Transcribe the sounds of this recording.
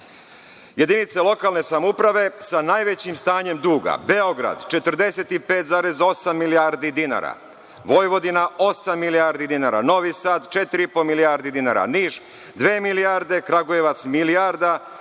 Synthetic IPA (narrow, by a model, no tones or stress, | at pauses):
je̞d̪init̪selo̞kalne̞samoupɾaʋe̞sanaːjʋet͡ɕimst̪aːɲe̞md̪uːɡa̰be̞o̞ɡɾa̰d̪t͡ʃe̞t̪ɾ̩d̪e̞se̞t̪ipe̞ːt̪zaːɾezo̞samːilijaɾd̪id̪ina̰ɾa̰ | ʋo̞jʋo̞d̪inao̞samːilijaːɾd̪id̪inaːɾa̰no̞ʋisaːt̪t͡ʃet̪iɾiipomilijaɾd̪id̪inaːɾa̰niːʒ | d̪ʋeːmilijaɾd̪e̞kɾaɡojeʋat̪smilijaɾd̪a